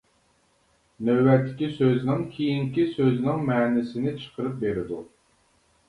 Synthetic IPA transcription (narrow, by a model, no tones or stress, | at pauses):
nøwːætt̪ʰːɪ̥kʲisøznɪŋkʲʰijiŋkʲisøznɪŋmɛːnɪsɪnɪt͡ʃʰə̥qʰəɾɨp̚beɾɪd̪u